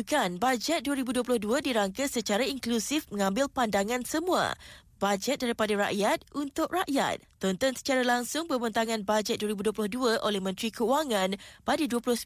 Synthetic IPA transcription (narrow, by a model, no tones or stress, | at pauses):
kanbad͡ʒɛt̪̚duəɾibuduəpulʊhduadiɾaŋkasət͡ʃaɾaiŋklusɪfmə̃ŋãmbɪlpandaŋãnsəmũa̰ | b̥ad͡ʒɛt̪̚daɾipadaɾa̰ʔjat̪̚unt̪ʊʔ̚raʔja̰t̪̚ːɔnt̪ɔnsə̥t͡ʃaɾalaŋsʊŋpəbənt̪aŋãnbad͡ʒɛt̪̚duəɾibuduəplʊhduaʔolɛhmə̃nt̪ɾikəuaŋãnpadaduəpulʊhs